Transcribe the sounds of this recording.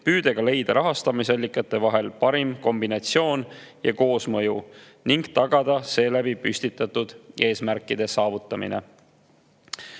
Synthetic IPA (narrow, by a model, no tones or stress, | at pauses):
pyːd̪̥e̞ɡ̥ɑle̞jd̪̥ɑɾɑɦɑst̪ɑmisɑlʲːikːˑɑt̪ːˑe̞vɑɦe̞lpɑɾimko̞mbinɑt̪sio̞ːn | jɑko̞ːsmɤ̞ju | niŋɡ̥t̪ɑɡ̥ɑd̪̥ɑse̞ːlæbipysʲt̪it̪ːˑɑt̪ːud̪̥e̞ːsmærkːˑid̪̥e̞sɑːvut̪ˑːɑmḭne̞̰